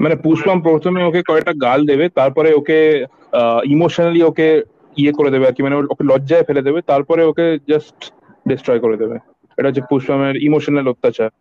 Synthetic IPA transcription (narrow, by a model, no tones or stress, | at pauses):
manepuʃbampɾot̪ʰomeokekɔɛk̚ʈaɡald̪ebet̪aɾpɔɾeoke | imoʃonalioke | iekoɾed̪ebeaɾkimaneokelɔːd͡ʑaefeled̪ebet̪aɾpɔɾeoked͡ʑasʈ | ɖesʈɾɔjkoɾed̪ebe | ḛʈaɦot͡ɕːʰepuʃbameɾimoʃonelot̪ːat͡ɕaɾ